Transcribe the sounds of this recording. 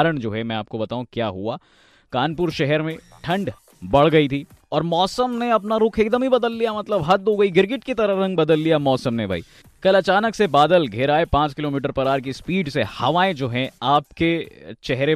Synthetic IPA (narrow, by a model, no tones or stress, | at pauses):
ɾəɽ̃d͡ʒoːɦɛmɛ̃aːp̚kobɐt̪aːɦũkjaːɦuaː | kaːnpʊɾʃɛɦɛɾmẽ | ʈʰɐ̃ɳɖ | bɐɽ̤ɡɐit̪ʰiː | ɔːɾmɔːsəmneɐpnaɾʊkʰeːk̚d̪əmɦibɐd̪əlːijamɐt̪ləbɦɐt̪ːoɡɐiɡɪɾɡɪʈkit̪ɐɾəɾɐ̃ŋɡbɐd̪əlːijamɔːsəmnebʱa̰ːḭː | kɐlɐt͡ʃaːnəksebaːd̪əlɡʱɪɾaːepãːt͡ʃkɪloːmiːʈ̬əɾpɐɾaːɾk̬ispiːɖsehɐʋaːẽd͡ʒoːɦɛaːpket͡ʃɛɦɾe